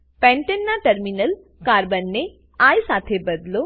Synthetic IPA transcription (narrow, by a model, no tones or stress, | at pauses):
pɛ̃ɳʈenːaʈɐɾminəl | kaːɾbɐnːe | ajsaːt̪ʰebəd̪lo